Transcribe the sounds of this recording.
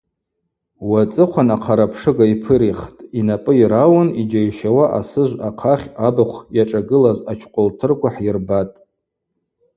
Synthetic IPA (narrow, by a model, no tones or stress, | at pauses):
wat͡sʼɨqʷʰanaqʰaɾapʰʂɨɡaipʰɨɾiχtʼinapʼɨiɾawanid͡ʒajʃawaʔa̰sɨʒʷaqʰaχʲabaχʷʰjaʈ͡ʂʼaɡɨlazat͡ʃʰqʷʼoltʰɨrkʷʰaħjɪrbatʼ